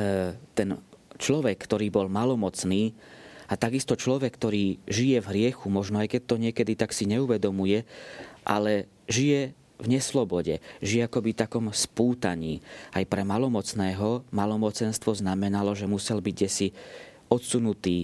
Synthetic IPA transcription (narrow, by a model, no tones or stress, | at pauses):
t̪ɛnt͡ʃlɔʋɛkːt̪ɔɾiːbɔlmalɔmɔt͡sniː | at̪aɡist̪ɔt͡ʃlɔʋɛkːt̪ɔɾiːʒijɛvɦɾɪɛxumɔʒnɔajkɛt̚t̪ɔɲɪɛkɛd̪it̪aksiɲɛuʋɛd̪ɔmujɛʔa̰lɛ | ʒijɛ | vɲɛslɔbɔɟɛ̰ʒijɛakɔbit̪akɔmspuːt̪a̰ɲḭːajpɾɛmalɔmɔt͡snɛːɦɔmalɔmɔt͡sɛnst̪ʋɔznamɛnalɔʒɛmusɛlbiɟɟɛsi | ɔt̪sunut̪iː